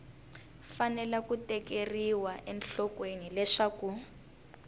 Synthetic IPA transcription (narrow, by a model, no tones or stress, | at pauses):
fanɛlakutɛkeriwaʔɛnɬɔkwenilɛʂaku